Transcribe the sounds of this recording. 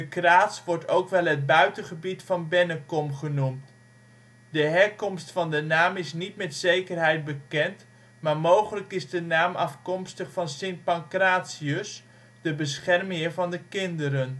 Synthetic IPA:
dəkraːtsʋɔɹtowkʋɛlˠɦəd̚bœɥtənχəbitfɑnbɛnəkɔmχənumt | dəɦɛɹkɔmstfɑndənaːmɪsnitmɛtsejkərɦɛjt̚bəkɛnt | maːɹmowχələkɪzdənaːmɑfkɔmstəχfɑnsɪnpɑŋkraːtsiəs | dəbəsχɛrmɪːɹvɑndəkɪndəɾən

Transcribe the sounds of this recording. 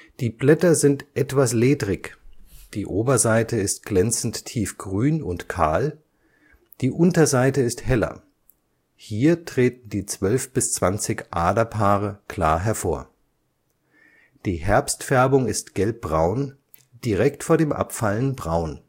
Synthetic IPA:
d̥iːblɛtɐzɪntʔɛtv̥asleːdʁɪçd̥iːʔoːbɐzaɪtəɪst̚ɡ̥lɛnt͡sn̩tʰːiːfɡ̥ʁyːnʊntkʰa̰ːl | d̥iːʔʊntɐzaɪtəɪsthɛlɐ̰ | hiːɐtʁ̥eːtn̩diːt͡sv̥œlfb̥ɪst͡sv̥ant͡sɪçʔaːdɐpʰaːʁəkl̥a̰ːɐɦɛɐfoːɐ | d̥iːɦɛɐpstfɛɐbʊŋɪstɡ̥ɛlp̚b̥ʁaʊn | d̥iʁɛktfoːɐɾeːmʔa̰pfalənbʁaʊn

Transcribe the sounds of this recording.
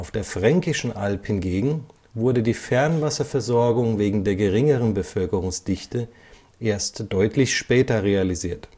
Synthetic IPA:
aʊfd̥eːɐfʁ̥ɛŋkɪʃn̩ʔalphɪnɡeːɡŋ̩ | vʊɐdədiːfɛɐnvasɐfɛɐzɔɐɡʊŋveːɡŋ̩deːɐɡəʁɪŋəʁ̞ənbəfœlkəʁʊŋsd̥ɪçtə | ʔeːɐstd̥ɔʏtʰlɪçʃpɛːtɐʁealiziːɐt

